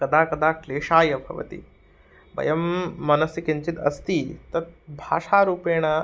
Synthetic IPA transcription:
kɐd̪aːkɐd̪aːkʰleːʂaːjɐbʱɐ̰ʋɐ̰t̪ḭ | bɐ̰jɐmːɐnɐsikiɲt͡ʃit̪ɐ̰st̪iːt̪ɐt̪̚bʱa̰ːʂaːɾuːpeːɽ̃a

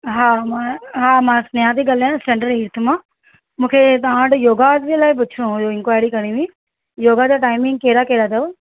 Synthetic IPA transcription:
ɦamãɦaːmãsnəjãt̪iɡalãsẽɳɖəɾɦiɾt̪ʰmãː | mũːkʰet̪ɐãːʈjoːɡat̪ʋilaːip̬ʊt͡ʃʰɽũɦʊjoɪ̃ŋkʋaːjɾikɐɽ̃ĩʋĩ | joːɡad͡ʑaʈaːɪmɪ̃ŋɡ̚keːɾakeːɾad̪ɐo

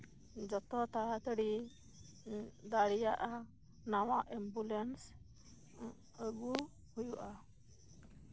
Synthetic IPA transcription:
d͡ʒɔt̪ɔt̪aɽat̪əɽi | d̪aɽijaʔa | nawaʔɛmbulɛns | əɡu | hujuʔa

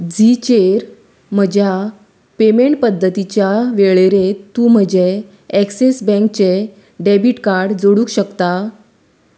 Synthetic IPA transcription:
d͡zit͡ɕeɾ | m̤əd͡ʑʱja | pemeɳʈ̚pəd̪ʱːət̪it͡ɕjaʋeɭeɾet̪ːuːm̤əd͡ʑeː | ksesbɛ̃ŋk̚t͡ɕe | ɖebiʈkaɾɽd͡zoɽuːkɕəkt̪a

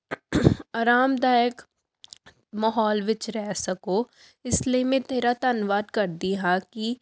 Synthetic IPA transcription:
aːɾaːmd̪aːjək | mɐɦɔːlʋɪt͡ʃɾɛɦsɐko | ɪsliemẽt̪eːɾat̪ɐnʋaːd̪kɐɾd̪iɦaki

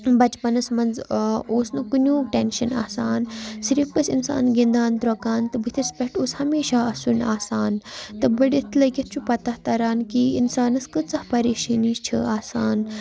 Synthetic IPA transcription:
bɐt͡ʃpɐnɐsmɐnd͡zoːsnɨkunʲuːʈenʃɐna̰ːsaːnsiɾifkɐsinsa̰ːnɡend̪aːnt̪ɾokaːnt̪ɨbɨt̪ʰispʲɐʈoːshɐmeːʃaːɐsunaːsaːnt̪ɨbɐɖʲit̪ʰlɐkʲit̪̚ʰt͡ʃʰupɐt̪ɐht̪ɐɾaːnkiinsaːnɐskɨt͡sɐhpɐɾeːʃɐniːst͡ʃʰɨ̰aːsaːn

